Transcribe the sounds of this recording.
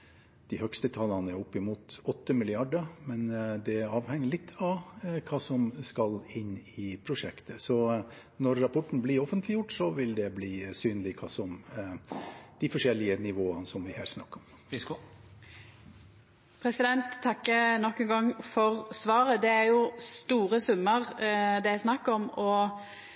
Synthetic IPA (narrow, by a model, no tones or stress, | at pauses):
d̪̥ɪhœkst̪ət̪ʰɑlːɑnɛɾɔpːɪmuːt̪ɔt̪ːəmɪlɪɑɖəmɛnd̪ɛɑːʋhɛŋːəɭɪt̪ːʰɑʋkʰɑːsɔmskɑlɪnːɪpʰɾʊʂɛkt̪ʰəsɔ | nɔɾːɑpʰɔʈːn̩bliɾɔfənt̪lɪjʊʈːsɔʋɪld̪ɛbliːsyːnəlɪkʰɑːsɔm | d̪̥ɪfɔʂɛlːɪənɪʋoːənəsɔmʋɪhæ̰ːɾsnɑ̰kːɔm | pʰɾɛsɪd̪ɛnt̪ʰːɑkːənɔkːɛnɡɑŋːfɔɾsʋɑːɾəd̪ɛæɾjʊst̪uːɾəsʉmːəɾd̪ɛæsnɑkːɔmɔ